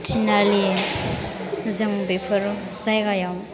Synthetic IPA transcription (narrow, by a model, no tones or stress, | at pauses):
tʰinali | zɯŋbepʰɯɾ | zajɡajam